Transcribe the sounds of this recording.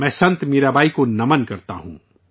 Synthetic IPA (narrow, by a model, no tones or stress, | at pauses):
mɛ̃ːsɐ̃nt̪meːɾabʱaːikonɐmənkɐɾt̪a̰ɦṵ̃ː